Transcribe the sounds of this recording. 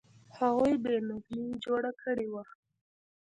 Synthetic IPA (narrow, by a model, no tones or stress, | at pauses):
haɣujbenʊɡlid͡ʒoɽakʰəɽewa